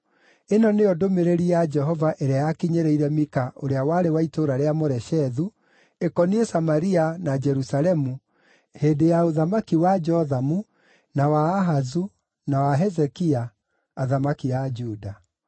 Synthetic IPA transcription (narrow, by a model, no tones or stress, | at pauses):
enɔneɔdomeɾeɾiad͡ʒɛɦɔvaʔɛɾeajakiɲeɾeiɾɛmikaoɾeawaɾewaitoɾaɾeamoɾɛʃɛðu | ekɔniesamaɾianad͡ʒɛɾusalɛmu | hedejaoðamakiwad͡ʒɔðamu | nawaːɦazu | nawaɦɛzɛkiaː | ðamakiad͡ʒuda